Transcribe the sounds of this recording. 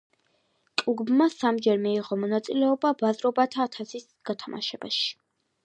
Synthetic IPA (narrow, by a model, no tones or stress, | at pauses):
t̪ʼuɡbmasamd͡ʒɛɾmiːʁɔmɔnat̪sʼilɛɔbabazɾɔbat̪ʰaːt̪ʰasis | ɡ̥at̪ʰamʔa̰ʃɛba̰ʃi̥